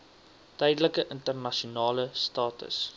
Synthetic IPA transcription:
təjdələkəʔəntərnɐʃiunɑːləstɑːtə̰s

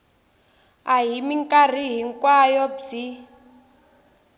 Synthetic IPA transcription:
aɦimiŋkʼar̤iɦiŋkwajɔb͡ʐi

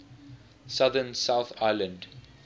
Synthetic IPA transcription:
saðənsaʊθaɪlə̃nd

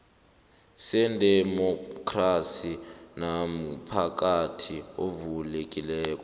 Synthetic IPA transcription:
sɛndʱɛmɔkʰrasinamupʰak̬ʼatʰiovulek̬ʼilɛːkɔ

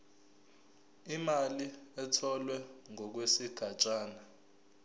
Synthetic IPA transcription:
imaliɛtʰɔlwɛŋʱɔk̬wesiɡ̥ʱat͡ʃʼaːna

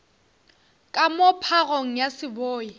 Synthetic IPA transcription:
kʼamɔpʰaɣoŋ̩jasɪboːi

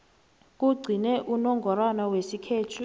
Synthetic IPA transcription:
k̬ʼuɡ͡ǀʱinɛʔunɔŋɡʱɔɾanawesikʰeːtʰu

